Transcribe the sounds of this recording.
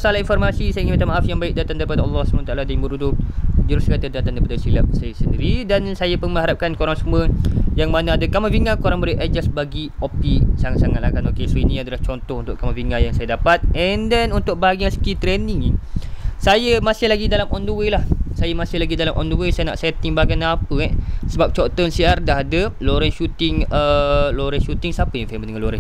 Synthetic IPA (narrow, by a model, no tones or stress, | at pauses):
salainfɔrmasisajaiŋinbat̪amaʔafjaŋbaɪk̚dat̪andaɾipadaɑlˠːɔhsəbanat̪aladaŋbəɾudʊd͡ʒəɾʊskat̪adat̪andaɾipadasila̰p̚sajasəndiɾidansajapunmə̃ɦaɾap̚kankoɾaŋsəmwəjaŋmanaadakamafiŋãkoɾaŋbəɾiʔad͡ʒasbaɡi | opisasaŋa̰t̪lakanokesinĩadalaht͡ʃɔnt̪ɔhunt̪ʊʔkamaviŋãjaŋsajadapat̪̚ɛndɛnunt̪ʊk̚baɡiasə̥kit̪ɾɛnɪŋ | sajəmasɪhlaɡidalamʔɔnduwelahsajəmãsɪhlaɡidalamʔɔ̰nduwesajəna̰ʔsɛjət̪iŋbaɡanapəɛsəbap̚t͡ʃɔt̪ɔnsiardaɦadəloɾɛnʃut̪ɪŋəloɾɛnʃut̪ɪŋsapəjaŋfɛməndəŋanloɾɛ